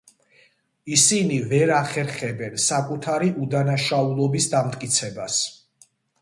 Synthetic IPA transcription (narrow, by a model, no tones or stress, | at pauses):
isinivɛɾaχɛɾχɛbɛnsakʼut̪ʰaɾiʔud̪anaʃaulˠɔbisd̪amt̪ʼkʼit̪sʰɛbas